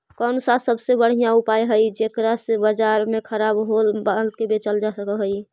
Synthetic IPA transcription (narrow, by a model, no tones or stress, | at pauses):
kənsasəbsebəɽ̤ijãupajɦəjd͡ʒekɾasebəd͡ʒaɾmekʰəɾabɦolbalkebet͡ʃəld͡ʒasəkəlɦəj